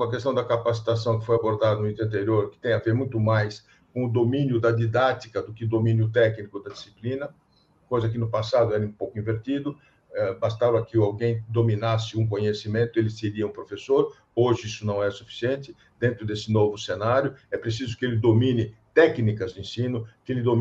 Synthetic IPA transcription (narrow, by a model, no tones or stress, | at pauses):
ɐk̬est̪ɐ̃w̃d̪ɐkapasi̥t̪asɐ̃w̃kɪ̥fojaboɾd̪ad̪ɐnʊĩt̪ɾɐ̃nt̪eɾioɾkɪ̥t̪ẽj̃aveɾmũj̃t̪ʊmajs | kõʊd̪omĩnjʊd̪ɐd̪id̪at̪ikɐd̪ʊkɪd̪omĩnjʊt̪̬ɛknikʊd̪ɐd̪isiplĩnɐ | kojzɐkɪnʊpasad̪ʊɛɾɐũpowkʊĩveɾt̪id̪ʊ | ɛbast̪avɐkɪawɡẽj̃d̪ominasɪũŋk̬õɲesimẽnt̪ʊelɪseɾiɐũpɾofesoɾ | oʒɪisʊnɐ̃w̃ɛɾɐsufi̥siẽnt̪ɪ | d̪̥ẽnt̪ɾʊd̪esɪnovʊsenaɾjʊɛpɾes̬izʊkɪelɪd̪omĩnɪt̪ɛknikɐzd̪ɪẽsĩnʊkɪelɪd̪o